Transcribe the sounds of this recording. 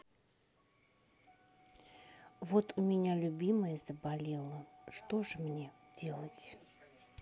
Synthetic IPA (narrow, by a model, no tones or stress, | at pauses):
vot̪ʊmʲɪnʲalʲʊbʲiməjəzəbalʲelˠəʂt̪oʐɨmnʲe | dʲelˠətʲ